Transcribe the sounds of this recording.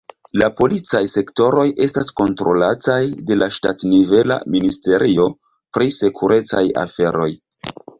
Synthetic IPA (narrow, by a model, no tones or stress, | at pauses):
lapo̞lit͡sajse̞kto̞ɾo̞je̞stasko̞ntɾo̞latajde̞laʃtatnive̞la̰ministe̞ɾʔio̞ | pɾise̞kʰuɾe̞t͡saja̰fe̞ɾo̞j